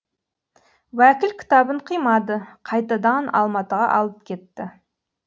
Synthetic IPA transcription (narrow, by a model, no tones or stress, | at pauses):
wækʲɪlkʲʰɪ̥t̪ɑbəɴqʰijmɑd̪əqʰɑjt̪ɑd̪ɑnɑ̰lˠmɑt̪əʁɑ̰ʔɑlˠəp̚kʲʰe̞t̪ːɪ